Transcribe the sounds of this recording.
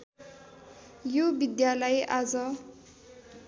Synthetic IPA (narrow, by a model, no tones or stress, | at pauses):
jubid̪jalajʔad͡zʌ